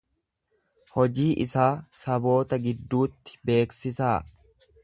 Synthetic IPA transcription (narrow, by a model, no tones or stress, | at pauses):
hɔd͡ʒiːʔɪ̰saːsɐbo̞ːt̪ɐɡɪd̪ːuːt̪ːɪ̥be̞ːksɪsaː